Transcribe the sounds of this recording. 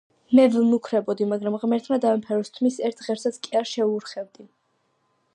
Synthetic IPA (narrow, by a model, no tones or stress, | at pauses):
mɛvnukʰɾɛbɔd̪imaɡɾamʁmɛɾt̪ʰmad̪avɛmpʰɛɾust̪ʰmisɛɾt̪ʰʁɛɾsat̪skʼiaɾʃɛuɾχɛvd̪i